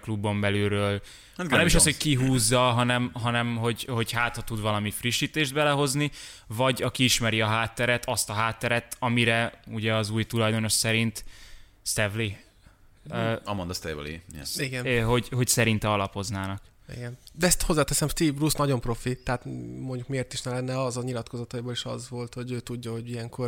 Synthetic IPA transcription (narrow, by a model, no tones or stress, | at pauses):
klubːo̞mbɛlyːɾøːl | at̪ɡnɛmiʃɒsshockiɦuːzːɒɦɒnɛmɦɒnɛmɦo̞ɟho̞ɟhaːt̪ɒt̪ud̪ʋvɒlɒmifriʃːiːt̪eːʒd̪bɛlɛɦo̞znivɒɟɒkiiʃmɛɾiɒɦaːt̪ːɛɾɛt̪ʰɒst̪ɒɦaːt̪ːɛɾɛt̪ɒmiɾɛuɟɛɒzuːjt̪ulɒjd̪o̞no̞ʃsɛɾint̪ | st̪ɛvli | ɒmond̪ɒst̪ɛvlḭiɡɛnɦo̞ɟho̞csɛɾint̪ɛɒlɒpho̞znaːnɒk | ḭɡɛnd̪ɛɛst̪hozːaːt̪ɛsɛmst̪iːvrusnɒɟo̞mpro̞fit̪ɛɦat̪mo̞ɲɟukmieːrt̪iʃnɛlɛnːɛɒzɒɲilɒt̪kozɒt̪ɒiboleʃɒ̰zʋo̞lt̪ho̞ɟøːt̪uɟːɒɦo̞ɟijɛŋko̞r